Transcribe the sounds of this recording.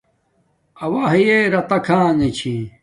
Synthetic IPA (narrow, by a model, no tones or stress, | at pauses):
ɐwaɦijeɾɐt̪ɐkʰãːnet͡ɕʰĩ